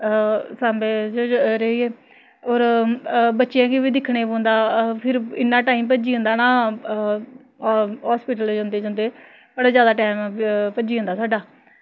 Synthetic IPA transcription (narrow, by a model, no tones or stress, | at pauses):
saːmbeːd͡ʒoɾəieː | oːɾ | bətːʃijãːkiʋiːd̪ɪkʰɽeːbõːnd̪aːpʰɪɾɪnːãːʈaːiːmpəd͡ʒiːõːnd̪aːnaː | ɦaːspiːʈəld͡ʒãːnd̪eːd͡ʒãːnd̪eː | bəɽaːzjaːd̪aːʈɛːmpəd͡ʒiːɦõnd̪aːsaːɖaː